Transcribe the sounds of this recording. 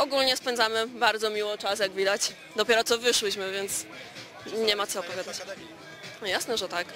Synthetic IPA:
ɔɡulɲɛspɛnd̪zamɘbaɾd̪zɔmʲiwɔt͡ʂasjaɡvʲid̪at͡ɕ | d̪ɔpʲjɛɾɔt̪ɔvɘʂwɘɕmɘvʲjɛnt̪s | ɲɛmat̪sɔɔpɔvʲjad̪at͡ɕ̪ | jasnɛʐɛt̪ak

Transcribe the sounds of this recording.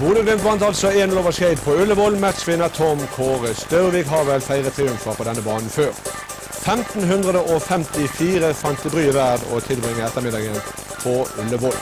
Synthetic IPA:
buːd̪əɡlʏmt̪ʋɑnt̪ɑlsɔeːnloːʋəʃæɪd̪pʰɔʉləʋɔlmæt̪sʋɪnɑt̪ʰɔmkʰoːʁəst̪œɾʋɪkɦɑʋɛlfæɪʁət̪ʰʁɪʉmfəʁpʰɔd̪ɛnːəbɑːnn̩føːʁ | fɛmt̪n̩ɦʉnd̪ʁəd̪əʔɔfɛmt̪ɪfiːʁəfɑnt̪d̪ɪbʁyːɪʋæːd̪ɔ̰t̪ʰɪlbʁɪŋːəɛt̪əʁmɪd̪ɑɡən | pʰɔʉlːəʋɔl

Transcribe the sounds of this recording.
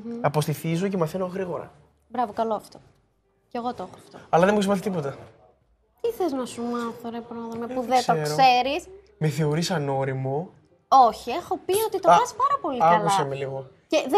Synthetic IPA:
m̩ɐpo̞st̪iθizocemɐθenoɣɾiɣo̞ɾɐ̰ | bɾɐvokɐloɐft̪o̞̥ | ce̞ɣo̞t̪ooxoɐft̪oɐlɐðemeisimɐθit̪ipo̞t̪ɐ | t̪iθeznɐsumɐθoɾepɾoðomepuðesoekksɾoe̞ɾis | meθeo̞ɾisɐno̞ɾimo | o̞çiexo̞pio̞t̪it̪oɐspɐɾɐpo̞liɐɐkluɐsɐmeliɣo | ceð

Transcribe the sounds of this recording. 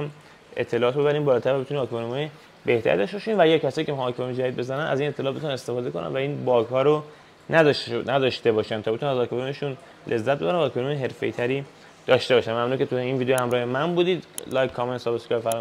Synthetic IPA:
m | e̞̰t̪ʰːe̞lɔːt̪obebæɾiːmbɒːlɒːt̪ʰæɾvæbeuninɒːkʰonumɔje | be̞ht̪ʰæ̰ɾḭd̪ɒʃt̪eɔʃinvææjɑkʰæsɒːjiːcʰehːkʰemmid͡ʒæd̪id̪̚be̞zænænæ̰ziːnet̪ʰːelːt̪beunænest̪e̞fɒːd̪eko̞nʔæ̰nvæiːnbɒːkhɒːɾo | nʔænæd̪ɒʃt̪e̞bɒːʃænt̪ʰɒːbeunænæzɒːkʰoɾumeʃun | lʔe̞zːæt̪̚be̞æɾænvæːkʰɒnumjeɦe̞ɾfe̞jt̪ʰæɾiː | d̪̥ɒːʃt̪e̞bɒːʃænmæmnuncʰeujeiːnviːd̪ejohæmɾɒːhemænbuːd̪iːd̪lɒːjkʰkʰːɒment̪sɒbeskɒjfæɾ

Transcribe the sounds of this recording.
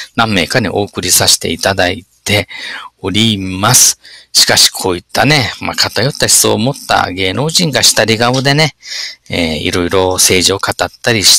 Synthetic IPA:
nãmːe̞ːkaɲḭʔo̞ːkɯ̟ɾʲisaɕi̥t̪e̞̰it̪ad̪ait̪e̞o̞ɾʲimasɨ̥ɕi̥kaɕi̥kʰo̞ːit̪ːane̞ma̰kat̪ajo̞t̪ːaçi̥so̰ːmo̞t̪ːa̰ɡe̞ːno̞ːʑĩŋɡaɕi̥t̪aɾʲiɡaβɯ̟d̪e̞ne̞ḛḭɾo̞iɾo̞se̞ːʑio̞kat̪at̪ːaɾʲiɕ

